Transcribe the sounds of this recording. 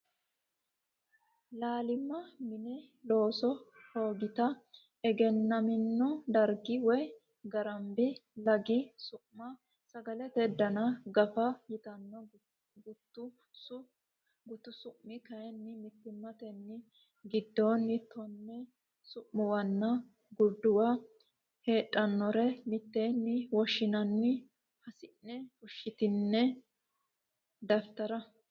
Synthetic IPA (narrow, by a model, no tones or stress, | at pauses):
laːlɪmːɐmɪnɛ | lo̞ːsɔhoːɡɪt̪ɐ | ɛɡɛnːɐmɪnːʊd̪ɐɾɡɪwɔj | ɡɐɾɐmbɪlɐɡɪsʊʔmɐ | sɐɡɐlɛt̪ɛd̪ɐnɐɡɐfɐjɪt̪ɐnːɔ | ɡʊt̪ːʊ | ɡʊt̪ːʊsʊʔmːɪkɐjɛnːɪmɪt̪ːɪmːɐt̪ɛnːɪ | ɡɪd̪ːoːnːɪt̪ʰɔnːɛ | sʊʔmːʊwɐnːɐ | ɡʊɾd̪ʊwɐ | he̞ːtʼːɐnːɔɾɛmɪt̪ːenːɪwɔʃːɪnɐnːɪ | hɐsɪnːɛfʊʃːɪt̪ɪnːɛ | d̪ɐft̪ɐɾɐ